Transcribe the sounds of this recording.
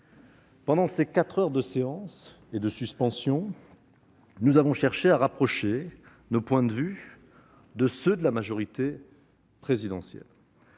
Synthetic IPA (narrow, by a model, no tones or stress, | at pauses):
pɑ̃d̪ɑ̃sekat̪χœʁd̪əseɑ̃s | ed̪əsyspɑ̃sjɔ̃ | nuzavɔ̃ʃɛʁʃeaʁapχɔʃe | nopwɛ̃d̪əvy | d̪əsød̪əlamaʒɔʁit̪e | pχezid̪ɑ̃sjɛ̰l